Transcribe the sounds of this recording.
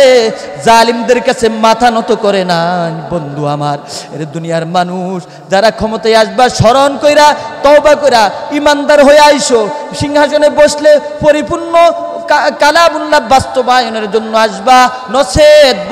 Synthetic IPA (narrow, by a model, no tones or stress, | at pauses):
zalimd̪eɾkat͡ɕʰemat̪ʰanɔt̪okɔɾenabond̪ʱuamaɾḛɾed̪unijaɾmanuʃ | d͡ʑaɾakʰɔmot̪ajaʃbaʃɔɾonkojɾat̪ɔwbakojɾaimand̪aɾɦoeajʃo | ʃiŋɦaʃoneboʃle | poɾipuɾnːo | kakalabulːabast̪obajoneɾd͡ʑonːoaʃba | nɔsʰet̪̚b